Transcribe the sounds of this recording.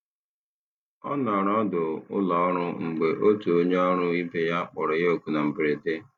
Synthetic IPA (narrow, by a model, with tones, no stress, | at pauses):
ɔ̰˦nɔ˨ɾɔ˦dʊ˨ʊ̰˦lɔ˨˦ɔ˦ɾʊ˦ŋ͡m̩˨ɡ͡be˨ʔo˦tu˨o˦ɲe˦ɔ˦ɾʊ˦i˦be˦ja˦k͡pʊ˨ɾɔ˨jo˨ku˨na˨m̩˨bɪ˨ɾe˨de˦